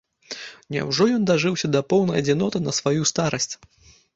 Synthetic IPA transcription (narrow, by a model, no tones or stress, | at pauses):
nʲɛ̰wʐɔjɔnd̪aʐɨwsʲɐd̪ɐpɔwnɐjɐd͡zʲinɔt̪ɨnɐsvajust̪aɾɐsʲt͡sʲ